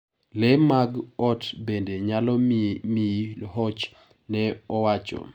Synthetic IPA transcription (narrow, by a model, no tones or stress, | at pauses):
lɛmaɡɔtbendeɲalɔmiɦɔt͡ʃ | nɛɔwat͡ʃɔ̰